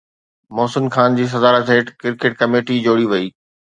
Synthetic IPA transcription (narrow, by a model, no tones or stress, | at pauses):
mɔːsɪnxaːnd͡ʑiːs̬ɐzaːɾət̪ɦeːʈkɪɾkɪʈ̚kɐmeːʈid͡ʑoːɽiʋɐiː